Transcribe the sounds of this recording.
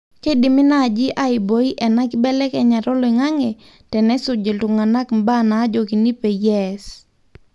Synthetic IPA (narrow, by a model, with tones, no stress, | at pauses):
ke˦di˨mɪ˦na˦˨d͡ʒɪ˦ʔa˦ɪ˨bo˨˦i˦ʔɛ˨na˦kɪ˦bɛ˦lɛ˦kɛ˨ɲa˨ɾo˦lo˨ŋa˦ŋe˨ | tɛ˨nɛ˦sʊ˨d͡ʒe˨ltʊ˨ŋa˨na˦kmba˦na˨˦d͡ʒo˨ki˨ni˦pe˨jɛ˦s